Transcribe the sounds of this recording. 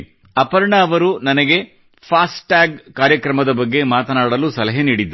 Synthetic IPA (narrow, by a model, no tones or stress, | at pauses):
ɐpɐɾɳɐːʋɐɾunɐnɐɡe̞ | pʰaːsʈaːɡkaːɾjɐkɾɐmɐd̪ɐbɐɡːe̞maːt̪ɐnaːɽɐlusɐlɐɦeniːɽid̪ːɾu